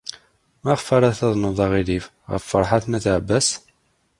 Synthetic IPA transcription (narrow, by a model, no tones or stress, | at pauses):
mæʁfæɾˤæθɑðˤnoðˤɑʁilif | ʁə̰fːəɾˤħaθnæθʕbːæs